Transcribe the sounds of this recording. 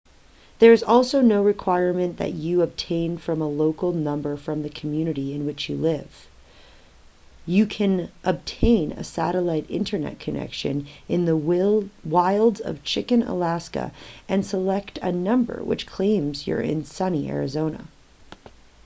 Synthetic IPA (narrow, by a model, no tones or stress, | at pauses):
ðə˞ɨzɔlˠsoʊnoʊɹɨkʰw̥aɪɹmɨ̃nðɨ̰t͡ʃɨəb̚tʰẽɪ̃nfɹʌ̃məloʊkl̩ˠnʌ̃mbə˞fɹʌ̃mðɨkʰm̩jʉnɨɾiɨ̃nwɨt͡ʃjɨlɪv̥ | jɨkʰɨ̃nʔəb̚tʰẽɪ̃nɨ̰sæ̰ɾəlaɪɾɪ̰̃ntʰə˞nɛ̰t̚kʰɨnɛ̰kʃɨ̰̃nɨ̃nðə | waɪlˠdzʌ̰v̥t͡ʃʰɪkɨ̃nə̰læskɨ̰ʔɨ̃nsəlɛktʰɨ̰nʌ̃mbə̰˞wɨ̰t͡ʃkʰl̥ẽɪ̃mzjə̰˞ɪ̰̃nsʌniʔɛ̰ɹɨzõʊ̃nə̰